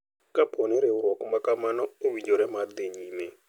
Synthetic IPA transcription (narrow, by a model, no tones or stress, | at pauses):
kapʰɔnɪɾeʊɾɔkmakamanɔowid͡ʒoɾɛmad̪ɪɲime